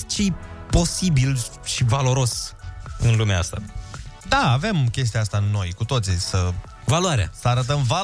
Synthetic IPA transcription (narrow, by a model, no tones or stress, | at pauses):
t͡ʃejpo̞sibilʃivalo̞ɾo̞sɨnlumeaa̰st̪ad̪aːve̞mkʲe̞s̬t̪iaast̪aɨnːo̞jkut̪o̞t̪sisə | valwaɾea̰səaɾət̪̬əmva